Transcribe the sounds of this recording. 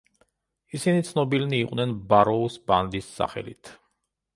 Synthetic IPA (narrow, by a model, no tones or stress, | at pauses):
isinit̪sʰnɔbilniːqʼnɛnbaɾɔusband̪isːa̰χɛ̰lḭt̪ʰ